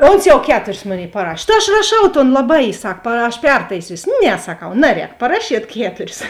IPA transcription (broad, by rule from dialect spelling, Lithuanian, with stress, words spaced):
ˈoːns jɛʊ ˈkʲæːtʊrʲɪs ˈmoːˌnʲeːɪ pɐˈrɑːʃʲeː tɐ ɐʃ rɐˈʃɐʊ toːn lˠɐˈbɐɪ ˈsɐk pɐ ɐʃ ˈpʲɛrtɐɪsʲiːsʲoː ˈnʲɛ sɐˈkɐʊ ˈnɑːˌrʲɛːk pɐˈrɑːʃʲiɛt ˈkʲæːtʊrʲɪs